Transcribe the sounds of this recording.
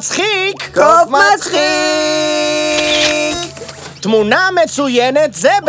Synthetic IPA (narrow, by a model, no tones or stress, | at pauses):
t͡sχikkomaai | t̪munamet͡sujɛnet̪zɛb